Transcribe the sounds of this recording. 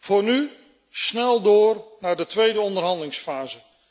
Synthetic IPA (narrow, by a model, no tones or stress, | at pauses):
v̥ʊːɹny | snɛlˠdʊːɹnaːɹdətʋejdəɔndərɦɑndəlɪŋsfaːzə